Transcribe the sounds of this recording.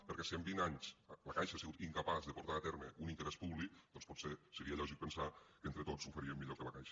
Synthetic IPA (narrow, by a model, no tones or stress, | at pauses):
pəɾkɛsiəmbinaɲsləkajʃaːsiɣut̪iŋkapazðəpoɾt̪aat̪ɛɾməunint̪əɾɛspuβlik̚d̪ɔnspɔtsesəɾiəʎɔʒik̚pənsakəent̪ɾət̪ot͡ssufeɾiəmːiʎokələkajʃə̥